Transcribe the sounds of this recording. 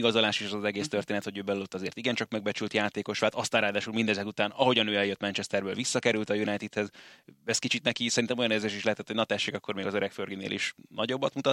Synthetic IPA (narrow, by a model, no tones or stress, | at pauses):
ɡɒzolaːʃiʃɛzɒzɛɡeːst̪ørt̪eːnɛt̪ho̞ɟøːbɛlulot̪ːɒzeːrt̪iɡɛnt͡ʃɒkmɛɡ̚bɛt͡ʃylt̪jaːt̪eːko̞ʃʋaːt̪ɒst̪aːɾraːd̪aːʃulmind̪ɛzɛkut̪aːnɒɦo̞ɟɒnøːɛljøt̪mɛnt͡ʃɛst̪ɛrbøːlvisːɒkɛɾylt̪ɒjunajt̪it̪hɛzɛskit͡ʃit̪nɛkisɛɾint̪ɛmo̞jɒneːrzeːʃiʃlɛɦɛt̪ɛt̪hojnɒt̪ɛʃːeːkɒkːo̞rmeːɡɒzøɾɛkførɡinḛːlḭʃnɒɟo̞bːɒt̪mut̪ɒt̪